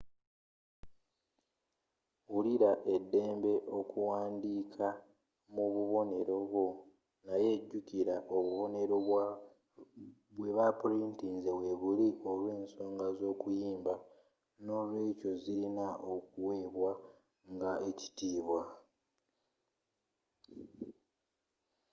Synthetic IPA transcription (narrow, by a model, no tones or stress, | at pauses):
wuliɾaʔe̞dːe̞ːmbe̞ʔo̞kuwaːndiːkʰa | muβuβo̞ne̞ɾo̞βwo̞ | naje̞ːɟːuciɾaʔoβuβo̞ne̞ɾo | βwe̞βapuɾintinzeβwe̞βuliʔo̞lwe̞ːnso̞ːŋɡazo̞ːkujiːmba | no̞lwe̞ːco̞ziɾinaʔok̚uwe̞ːβwa | ŋɡae̞ci̥tiːβwa